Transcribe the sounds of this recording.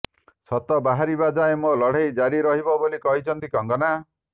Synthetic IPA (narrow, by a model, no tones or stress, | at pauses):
sɔt̪ɔbaɦaɾibad͡ʒaemolɔɽ̤ejd͡ʒaɾiɾɔɦibɔbolikɔɦit͡ʃʰɔnt̪ikɔŋɡɔna